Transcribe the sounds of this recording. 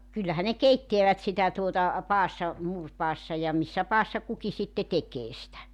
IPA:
kylːæhæ ne keitːeæʋæt sitæ tuotɑ pɑːsːɑ muːrpɑːsːɑ jɑ misːæ pɑːsːɑ kuki sitːe tekeː sĭtæ

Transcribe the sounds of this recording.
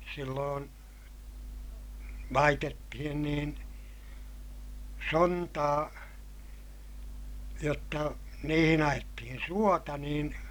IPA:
silːoːn lɑitetːihin niːn sontɑː jotːɑ niːhin ɑjetːihin suotɑ niːn

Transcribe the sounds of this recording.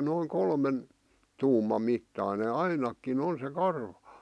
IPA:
noiŋ kolmen tuːmɑm mitːɑˑĭne ɑinɑkːin on se kɑrʋɑ̥

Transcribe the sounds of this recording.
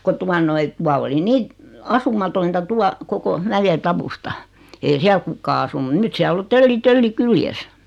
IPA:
ko tuɑ noi tuɑ oli niː ɑsumɑtointɑ tuɑ koko mæjetɑwustɑ ei siæl kukˑɑː ɑsunu nyt siæl o tølːi tølːi kyljes

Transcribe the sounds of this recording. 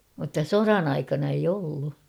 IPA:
mutːɑ sorɑn ɑikɑnɑ eij olːu

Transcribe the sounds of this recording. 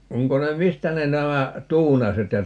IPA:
oŋko ne mistæ ne næmæ tuːnɑset jɑ

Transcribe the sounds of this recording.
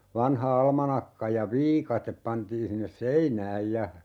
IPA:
ʋɑnhɑ ɑlmɑnɑkːɑ jɑ ʋiːkɑtep pɑntiːn sinːes seinæːj jɑ

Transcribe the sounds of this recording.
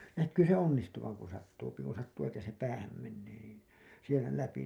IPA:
nækːyː se onːistuʋɑŋ ku sɑtːuːpi ku sɑtːuː etːæ se pæːhæm menːeː niːn sielæ læpi

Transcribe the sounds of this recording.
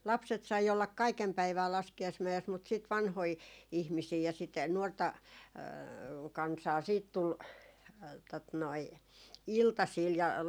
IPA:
lɑpset sɑi olːɑk kɑikem pæiʋæː lɑskiɑismæes mut siˑt ʋɑnhoi ihmisiː jɑ sit nuortɑ kɑnsɑː siːt tul tot noi iltɑsiːl jɑ

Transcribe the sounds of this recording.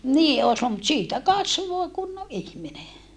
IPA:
niː oːs luːl mut siːtæ kɑsʋoĭ kunːoʔ ʔihmine

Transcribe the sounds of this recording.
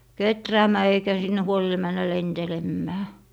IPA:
ketræːmæː eikæ sinːe huoli mænːæ lentelemːæː

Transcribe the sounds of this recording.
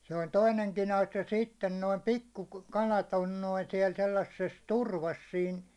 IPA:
se olʲ toineŋkin ɑsjɑ sitːen noim pikːukɑlɑt on noin siɛl selːɑsːes turʋɑs siːn

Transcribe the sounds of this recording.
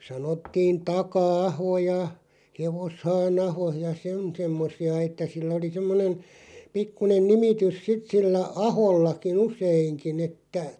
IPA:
sɑnotːiːn tɑkɑɑho jɑ heʋoshɑːnɑho jɑ sen semːosiɑ etˑæ silːæ̆ oli semːonen pikːunen nimitys sit silːæ ɑholːɑkin̆ useiŋkin etːæ

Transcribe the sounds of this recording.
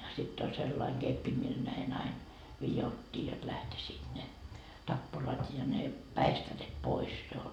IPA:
sitː olʲ selːɑiŋ ɡ̊epːi mil næin ɑin ʋijotːiː jot læhtisiːt ne tɑpːurɑt jɑ ne pæistæret pois jo

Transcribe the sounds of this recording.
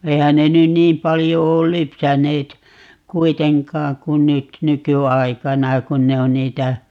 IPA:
eihæn ne nyn niːm pɑljo oːl lypsæneːt kuiteŋkɑːŋ kun̆ nyt nykyɑikɑnɑ kun ne on niːtæ

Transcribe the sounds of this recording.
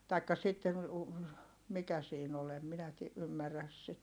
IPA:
tɑikːɑ sitːen̞ u mikæ siːn ol em minæ ti ymːæræs sit

